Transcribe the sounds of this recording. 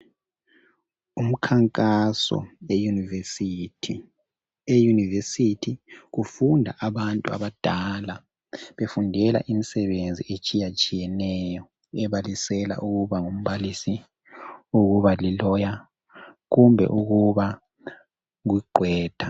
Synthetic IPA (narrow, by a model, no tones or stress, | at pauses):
um̩kʰaŋkʼasɔ̰ejunivesitʰ | ejunivesitʰiɣufundʱa̰ʔaβantʼua̰βad̥ʱala | βefundʱɛla̰ʔimisɛβend͡zʱḭʔet͡ʃʼijat͡ʃʼijɛnɛjɔ | ɛβalisɛla̰ʔuɣuβaŋum̩βalisi | uɣuβalilɔja | ɣumbʱɛ̰ʔuɣuβa | ɣwiɡ͡ǃʱwɛːd̥ʱa